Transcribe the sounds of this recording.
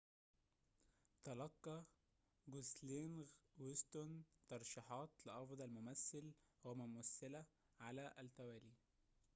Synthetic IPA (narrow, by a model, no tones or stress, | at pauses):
t̪ɑlɑqːɑ | ɡoslenɣwest̪ont̪ɑɾˤʃiħɑːt̪lɪʔɑfd̪ˤɑlmʊmæsːɪlɣomæmæsːɪlæ | ʕalæʔælt̪æwæːliː